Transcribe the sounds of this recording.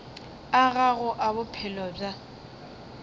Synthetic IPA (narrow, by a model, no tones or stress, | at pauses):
aɣaɣʊʔabʊpʰɛlɔb͡ʐa